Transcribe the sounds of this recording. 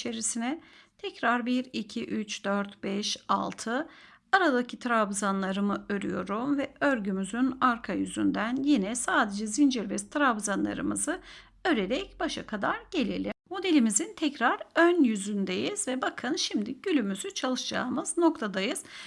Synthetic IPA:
t͡ʃʰeɾisinɛt̪ʰɛcɾaɾbiɾicʰiʔyt͡ʃd̪øɾt̪bɛʃa̰lˠt̪ʰɯ | aɾad̪acʰit̪ʰɾabzanlˠaɾɯmɯø̞ɾy̰jo̞ɾumvɛøɾɟymyzynaɾkʰajyzy̰nd̪ænjinɛsaːd̪e̞d͡ʒɛzind͡ʒiɾvɛst̪ʰɾabzanlˠa̰ɾɯ̰mɯzɯ | ø̞ɾe̞ɾɛcbaʃakʰad̪aɾɟ̥e̞lʲilʲimmo̞d̪e̞lʲimizint̪ʰɛcɾaɾønjyzynd̪ejiz̥vɛbakʰɯnʃimd̪iɟ̥ylʲymyzyt͡ʃʰalˠɯʃd͡ʒa̰ɯmɯzno̞kt̪ʰad̪ajɯz̥

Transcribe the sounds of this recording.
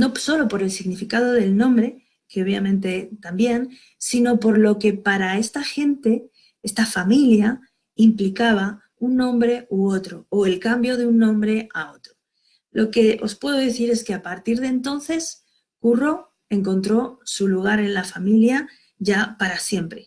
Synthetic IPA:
no̞so̞lo̞po̞ɾe̞lsiɣnifikað̞o̞ðe̞lnõ̞mbɾe̞ | keo̞βjamẽnt̪e̞t̪ambje̞n | sino̞po̞ɾlo̞ke̞paɾae̞st̪axe̞nt̪e̞ | e̞st̪afamilja | implikaβ̞a | unːõ̞mbɾe̞uo̞t̪ɾo̞oe̞lkambjo̞ðeunːõ̞mbɾe̞ao̞t̪ɾo | lo̞ke̞ʔo̞spwe̞ð̞o̞ðeθiɾe̞ske̞apaɾt̪iɾð̞e̞nt̪o̞nθe̞s | kuro̞ | e̞ŋko̞nt̪ɾo̞suluɣ̞aɾe̞nlafamilja | ʝapaɾasje̞mpɾe̞

